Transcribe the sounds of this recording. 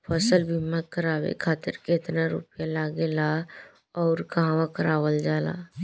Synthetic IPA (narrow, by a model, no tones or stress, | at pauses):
pʰəsəlbʱimːakəɾaːwḛkʰaːt̪ɪɾkeːt̪naɾṵpjalaːɡela | ɔːɾkaɦãʋãkəɾaːʋəld͡ʒaːla̰